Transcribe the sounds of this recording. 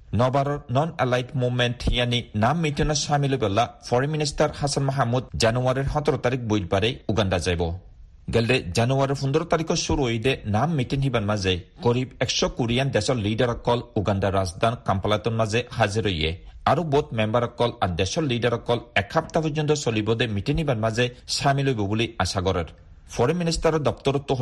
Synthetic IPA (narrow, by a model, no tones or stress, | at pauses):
nɔbaɾɔɾnɔnɛlajtmumɛnthijaninamːitiŋɔsamilobɛlːafʰɔɹiministaɾhasanmɔɦamːud̪̚zanuaɾiɹɦɔt̪ɔɾɔt̪aɾik̚bujt̚baɾɛjuɡandazajbɔ | ɡɛldɛzanuaɾiɾpund̪ɔɾɔt̪aɾikʰɔsuɾuɦojdɛnamːitiŋɦibanmazɛɡɔɾibɛkʃɔkuɾijand̪ɛsɔlliɖaɾɔkːɔluɡanɖaɾazd̪ʱankampalajt̪ɔnmazɛhaziɾojɛ̰aɾɔbot̪mɛmbaɾɔkːɔlaɾd̪ɛsɔlliɖaɾɔkːɔlɛkʰap̚t̪apɔd͡ʒɔnt̪ɔsɔlibɔd̪ɛmiʈinhibaɾmazɛsamilojbɔbuliasaɡɔɾɛɾ | pʰɔɾeminist̪aɾɔd̪ɔk̚t̪ɔɾɔt̪ːuɦ